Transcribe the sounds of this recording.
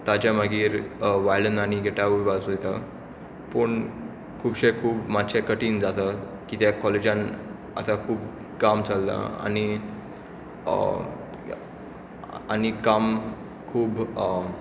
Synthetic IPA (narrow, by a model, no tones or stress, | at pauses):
t̪at͡ɕjamaɡiːɾʋajlənañiɡeʈaʋuʋʋasojt̪a | pəɳ | kʰuːbɕekʰuːbmat̪ɕɛkəʈiːnd͡zat̪a | kiːt̪jakɔled͡ʑãn | a̰t̪akʰuːb | kamt͡salːa̰a̰ñi | a̰ñikam | kʰuːb